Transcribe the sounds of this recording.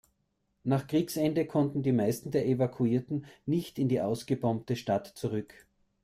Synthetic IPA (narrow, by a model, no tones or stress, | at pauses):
naːχkʁ̥iːksɛndəkʰɔntn̩diːmaɪstn̩deːɐʔevakʰuiːɐtn̩nɪçtɪndiːʔaʊsɡ̥əbɔmtəʃtatt͡suʁʏk